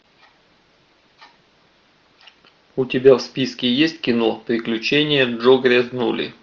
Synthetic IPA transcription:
ʊtʲɪbʲafspʲiskʲɪjesʲtʲkʲɪnopɾʲɪklʲʉt͡ɕenʲɪjəʐoɡɾʲɛznulʲɪ̰

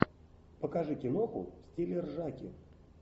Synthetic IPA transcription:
pəkɐʐɨkʲɪnoxʊ̰fsʲtʲelʲɪrʐakʲɪ̰

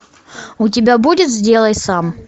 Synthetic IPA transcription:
ʊt̬ʲɪbʲabudʲɪt̪zʲdʲelˠəjsam

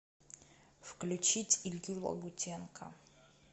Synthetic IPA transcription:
fklʲut͡ʃʰitʲilʲɡʲilɐ̰ɡutʲʰenkʰɐ̰

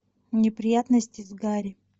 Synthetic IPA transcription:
nʲɪpɾʲɪjat̪nəsʲtʲɪzɡaɾʲɪ

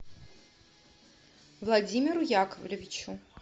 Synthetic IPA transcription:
vlˠad͡zʲimʲiɾujakəvlʲɪvʲit͡ɕu

